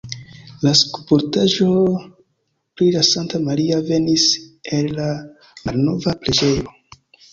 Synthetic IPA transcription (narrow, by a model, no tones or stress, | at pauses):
laskupoɾtaʒo̞ | pɾilasantamaɾiave̞nise̞lːa | malno̞vapɾe̞d͡ʒe̞jo̞